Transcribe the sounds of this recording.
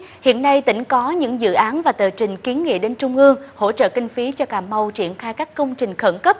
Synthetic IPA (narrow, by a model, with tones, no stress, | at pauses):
hḭ˧˨ənːa˧jt̪ḭ˧˩ŋ̟kɔ˨˦ɲɨ̰˧˥ŋzɨ̰˧˨ʔaː˨˦nvaː˨˩t̪əː˨˩t͡ɕï˨˩ŋ̟ki˨˦ənŋḭ˧˨ɗe˨˦nt͡ɕʊ˧ŋ͡mʔɨ˧əŋho̰˧˥t͡ɕə̰ː˧˨kï˧ŋ̟fi˨˦t͡ɕɔ˧kaː˧˩mːə˧wt͡ɕi˧˩ənxaː˧jkaː˦˥kːə˧wŋ͡mt͡ɕï˨˩ŋ̟xə˧˩nkə˦˥p̚